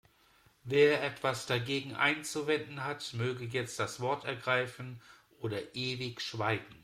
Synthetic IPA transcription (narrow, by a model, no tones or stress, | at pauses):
veːɐʔɛtv̥asd̥aɡeːɡŋ̩ʔa̰ɪnt͡suvɛndn̩ɦatmøːɡəjɛt͡st̚d̥asv̥ɔɐtɛɐɡʁaɪfn̩ʔoːdɐʔeːvɪçʃv̥aɪɡŋ̩